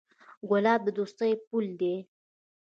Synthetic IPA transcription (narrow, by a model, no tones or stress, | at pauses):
ɡʊlɑb̚d̪əd̪ost̪əjpuld̪e